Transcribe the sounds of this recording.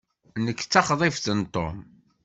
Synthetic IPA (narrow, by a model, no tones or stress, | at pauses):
nəkːt͡sːɑχðˤɪfθənt̪ˤːo̰m